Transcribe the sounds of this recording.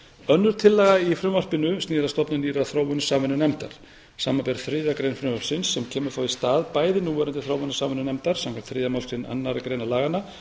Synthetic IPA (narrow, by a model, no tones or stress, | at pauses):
œnːʏɾ̥t̪ʰɪlːɛːɣaifɾʏmvar̥pɪnʏst̪niːðast̪ɔpnʏniːɾaθɾoːwvʏnsaːvɪnʏnɛmt̪a̰ɾ̥ | saːmapɛɾθɾɪːðakɾejnfɾʏmvaɾpsɪnsːɛmcʰɛːmʏɾ̥θaːwist̪aːðpaːjðɪnuːvɛɾʏnt̪ɪθɾoːwvʏnʏsaːvɪnʏnɛmt̪aɾ̥samkʰaɛm̥t̪θɾɪːðamawskɾɪna̰nːaɾkɾejnalaːɣana